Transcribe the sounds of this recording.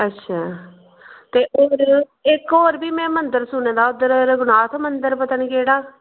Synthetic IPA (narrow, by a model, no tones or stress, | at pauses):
ətːʃʰaː | t̪eːʔoːɾ | ɪkoːɾbiːmɛ̃ːmənd̪əɾsʊnẽːd̪aːʊd̪əɾɾɡʊnaːt̪ʰmənd̪əɾpət̪əɳkeːɽaː